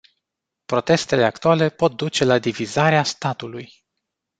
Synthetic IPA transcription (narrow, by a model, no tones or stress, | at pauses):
pɾo̞t̪e̞st̪e̞le̞akt̪uale̞po̞t̪̚d̪ut͡ʃe̞lad̪ivizaɾeast̪at̪uluj